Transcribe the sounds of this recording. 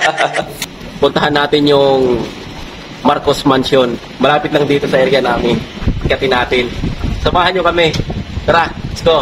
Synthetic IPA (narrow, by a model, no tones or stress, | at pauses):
pʊnt̪ɐhanːaːt̪ɪnjʊŋ | maɾkosmanson | mɐlaːpɪt̪lɐŋd̪iːt̪o̞sɐʔɛɾjɐnaːmɪnɐkɐt̪ɪnaːt̪ɪnsɐmaːhɐnɲokɐmɛkɾasko